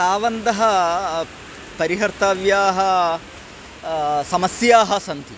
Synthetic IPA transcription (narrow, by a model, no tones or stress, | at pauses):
aːʋɐnd̪ɐɦɐ | pɐɾiɦɐɾt̪aːʋjaːɦɐ | sɐmɐsjaːɦɐsɐnt̪i